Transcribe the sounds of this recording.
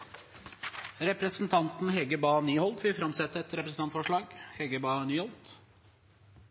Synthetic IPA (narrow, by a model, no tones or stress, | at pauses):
ɾɛpɾəsn̩t̪ʰɑnt̪n̩hɛɡəbɑːnyːhɔlt̪ʋɪfɾɑmsɛt̪ːəɛt̪ɾɛpɾəsn̩ʰɑnt̪fɔʂɭɑːɡhɛɡəbɑːnyːhɔlt̪